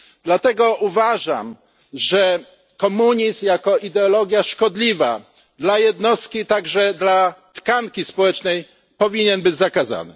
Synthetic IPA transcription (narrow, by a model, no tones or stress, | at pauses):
d̪lat̪ɛɡɔʔuvaʐa̰m | ʐɛ | kɔmuɲisjakɔid̪ɛɔlɔɡʲjaʂkɔd̪lʲiva̰ | d̪lajɛd̪nɔst̪̚kʲit̪aɡʐɛd̪lat̪kaŋkʲispɔwɛt͡ʂnɛj | pɔvʲiɲɛnbɘd͡ʑzakaza̰nɘ̰